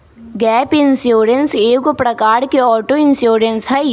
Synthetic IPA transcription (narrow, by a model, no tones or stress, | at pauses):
ɡɛːpɪnsjoːɾənseːkopɾɐkaːɾkeɔːʈoɪnsjoːɾənsɦɛ